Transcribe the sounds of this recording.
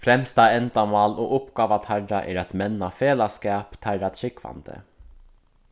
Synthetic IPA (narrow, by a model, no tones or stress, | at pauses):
fɾɛmst̪aɛnt̪amaːloːɣʔʊpɡɑːʋat̪ʰaraʔɛːɾat̪mɛnːafeːlaskɛːpt̪ʰaɹat̪ʰɾɪkʋa̰nt̪ə̰